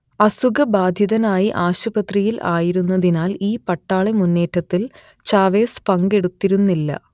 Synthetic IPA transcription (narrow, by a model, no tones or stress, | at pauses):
ɐsuɡɐbaːd̪ʱjɐðɐnaːjiʔaːɕubɐt̪rijilʔa̰ːjiɾunːɐðinaːliːpɐʈːaːɭemunːe̞ːʈːɐt̪ːil | t͡ɕaːʋe̞ːspɐŋɡe̞ɽut̪ːiɾunːilːɐ̰